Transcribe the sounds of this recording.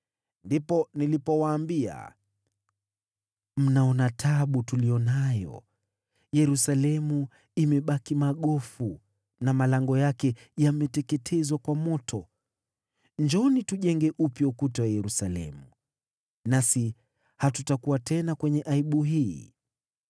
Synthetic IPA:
ndipɔnilipɔwaːmbia̰ | m̩naɔnatʰaɓutulijɔnajɔ̰ | jɛɾusalɛmu | imɛɓakimaɠɔfu | namalaŋɡɔjakɛ | jamɛtɛkɛtʰɛzwakwamɔtʰɔ | ɲd͡ʒɔnituʄɛŋɡɛʔupjɔukutawajɛɾusalɛ̰mu | nasi | hatutakuwatɛnakwɛɲɛʔaiɓuɦiː

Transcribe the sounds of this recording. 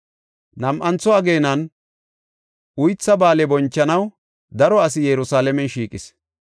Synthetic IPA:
nɐmʔɐnt͡sːɔɐɡe̞ːnɐn | ʊjt͡sːɐbaːlɛbɔnt͡ʃːɐnɐw | d̪ɐɾɔɐs̬ɪjɛɾʊsaːlɛmɛnʃiːkʼɪs

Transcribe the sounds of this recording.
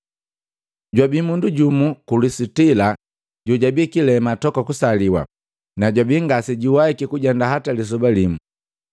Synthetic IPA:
ɟwabimunduɟumukulisitila | ɟuɟabikilɛmatɔkakusaliwa̰ | naɟwabiŋɡasɛɟiwaikikuɟandaɦatalis̬ɔbalimu

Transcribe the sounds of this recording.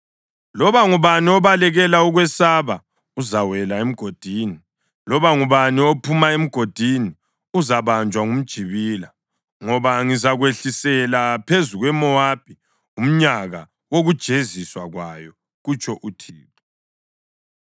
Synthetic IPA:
lɔβaŋuβaniɔβalɛɣɛlauɣwɛsaβa | uzawɛlaem̩ɡ̥ʱod̥ʱini | lɔβaŋuβaniopʰumaem̩ɡ̥ʱod̥ʱini | uzaβand͡ʒʱwaŋum̩d̥ʒ̥ʱiβiːla | ŋɔβaŋizaɣweɬisɛlapʰezuɣwɛmɔab̥ʱi | um̩ɲaɣa | woɣud̥ʒ̥ʱeziswaɣwajɔ | ɣut͡ʃʰʼɔʔutʰḭːpʰʼɔ

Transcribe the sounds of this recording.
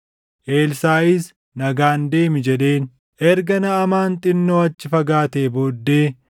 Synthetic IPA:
ʔe̞ːlsaːɪs | nɐɡaːnd̪e̞ːmɪd͡ʒɛᶑe̞ːn | ʔɛɾɡɐnɐɐmaːnt̪ʼɪnːo̞ːɐt͡ʃːɪfɐɡaːt̪eːbo̞ːd̪ːe̞ː

